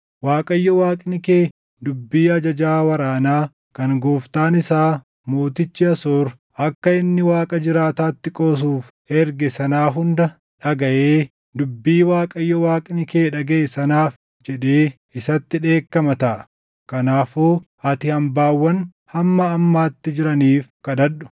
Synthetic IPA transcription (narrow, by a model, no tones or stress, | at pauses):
waːkʼɐjːɔwaːkʼnɪkeː | d̪ʊbːiːɐd͡ʒɐd͡ʒaːwɐɾaːnaː | kɐŋɡoːft̪aːnɪsaː | mo̞ːt̪ɪt͡ʃːɪɐsoːɾ | ɐkːɐɪnːɪwaːkʼɐd͡ʒɪɾaːt̪aːt̪ːɪkʼoːs̬uːf | ɛɾɡɛsɐnaːɦʊnd̪ɐ | ᶑɐɡɐʔeː | d̪ʊbːiːwaːkʼɐjːɔwaːkʼnɪke̞ːᶑɐɡeːsɐnaːf | d͡ʒɛᶑeː | ɪsɐt̪ːɪᶑe̞ːkːɐmɐt̪ɐʔɐ | kɐnaːfoː | ɐt̪ɪhɐmbaːwːɐn | hɐmːɐːmːaːt̪ːɪd͡ʒɪɾɐniːfkɐᶑ̪ɐᶑʊ̥